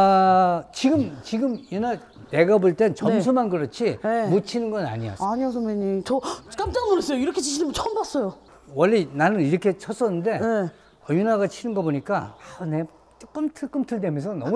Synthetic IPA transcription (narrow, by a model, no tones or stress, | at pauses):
t͡ɕiɡɯmt͡ɕiɡɯmjuna | ne̞ɡaboɭt͈e̞nt͡ɕʌmsʰumanɡɯɾʌt͡ɕʰiemot͡ɕʰinɯnɡʌna̰ɲia̰saɲiosʰomeɲit͡ɕʌkamt͡ɕ͈aŋmʌnes͈ejoiɾʌkʰet͡ɕiɕʰinɯmʌnt͡ɕʰʌmbas͈ʌjo | wʌɭːinanɯniɾʌkʰe̞t͡ɕʰʌs͈ʌnːɯnde̞e | ʌjunaɡat͡ɕʰinɯnɡʌboɲik͈a̰ane | t͡ɕ͈ok͈ɯmtʰɯk͈ɯmtʰɯɭdemjʌnsʰʌnʌm